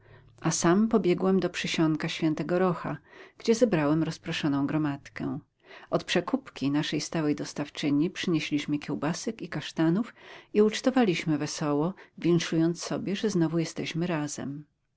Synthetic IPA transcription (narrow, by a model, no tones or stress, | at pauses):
ʔasampɔbʲjɛɡwɛmd̪ɔpʂɘɕɔŋkaɕfʲjɛnt̪ɛɡɔɾɔxa̰ɡ̥d͡ʑɛzɛbɾawɛmɾɔspɾɔʂɔnɔ̃w̃ɡɾɔmat̪kɛ̰ | ʔɔt̪pʂɛkupkʲinaʂɛjst̪awɛjd̪ɔst̪aft͡ʂɘɲipʂɘɲeɕlʲiɕmɘkʲɛwbasɛkikaʂt̪anufiut͡ʂt̪ɔvalʲiɕmɘvɛsɔwɔvʲjɛŋʂujɔnt̪ssɔbʲjɛʐɛznɔvujɛst̪ɛɕmɘɾaz̥ɛ̰m